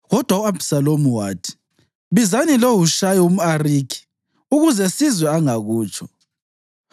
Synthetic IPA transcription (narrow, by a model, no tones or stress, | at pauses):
ɣɔd̥ʱwauabsalomuwaːtʰi̥ | βizanilowuʃajɔum̩ariːkʰi̥ | uɣuzɛsizwɛaŋaɣuːt͡ʃʰɔ